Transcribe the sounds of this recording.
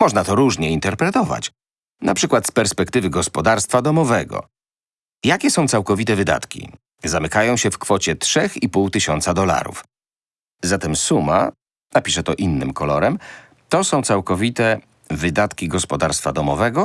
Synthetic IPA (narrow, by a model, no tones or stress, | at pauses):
mɔʐnat̪ɔɾuʐɲɛint̪ɛɾpɾɛt̪ɔva̰t͡ɕ | napʂɘkwat̪spɛɾspɛkt̪ɘvɘɡɔspɔd̪aɾst̪fad̪ɔmɔvɛɡɔ̰ | jakʲɛsɔ̃w̃t̪sawkɔvʲit̪ɛvɘd̪a̰t̪kʲḭ | zamɘkajɔ̃w̃ɕɛfkfɔt͡ɕɛtʂɛxipuwt̪ɘɕɔnt̪sad̪ɔla̰ɾṵf | zat̪ɛmsuma̰ | napʲiʂɛt̪ɔʔinːɘmkɔlɔɾɛm | t̪ɔsɔ̃w̃t̪sawkɔvʲit̪ɛ | vɘd̪at̪kʲiɡɔspɔd̪aɾst̪fad̪ɔmɔvɛɡɔ